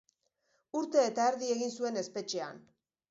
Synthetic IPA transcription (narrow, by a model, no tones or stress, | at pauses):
uɾt̪e̞ːt̪aeɾðie̞ɣinsue̞ne̞spe̞t͡ʃe̞a̰n